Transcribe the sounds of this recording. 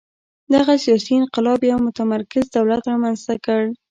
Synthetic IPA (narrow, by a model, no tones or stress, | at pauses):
d̪aɣasijɑsiɪnqɪlɑbjawmʊt̪amaɾkɪzd̪awlat̪ɾɑmanz̥t̪akəɽ